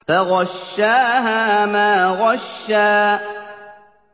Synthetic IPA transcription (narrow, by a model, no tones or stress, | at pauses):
faɣɑʃːaːɦamaːɣɑʃːaː